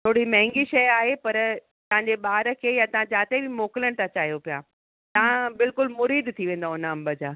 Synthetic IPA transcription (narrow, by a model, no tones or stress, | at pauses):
t̪ʰoːɽimɐ̃ɦɪ̃ŋɡiʃɐjaːɦepɐɾ | t̪ɐʋɦãɲd͡ʑeɓaːɾə̆kʰeːjat̪ɐʋ̤ãd͡ʑaːt̪ebɪmoːkɪləɽ̃t̪ʰãt͡ɕaːɦijopija̰ː | t̪ɐɦãbɪlkʊlmʊɾiːd̪t̪ʰiʋẽːn̆d̪aʊnəɐ̃mbəd͡ʑaː